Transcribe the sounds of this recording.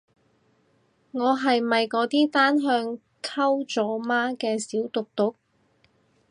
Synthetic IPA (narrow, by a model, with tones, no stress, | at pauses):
ŋɔː˨˧ɦɐ˨jmɐ˨jkɔː˨˧˥t̪iː˥t̪aː˥nɦœː˧ŋ | kʰɐ˥wt͡sɔː˨˥maː˥kɛː˧siː˨˥wt̪ʊ˨k̚t̪ʊ˨˥k̚